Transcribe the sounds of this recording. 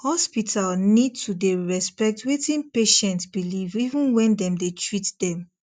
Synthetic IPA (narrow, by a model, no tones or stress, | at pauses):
hɔspitʰalnid̚tʰudeɹɛspɛk̚twetʰĩnpeʃɛ̃ntsbilivivũnwɛ̃ndɛ̃mdetɹitdɛ̃m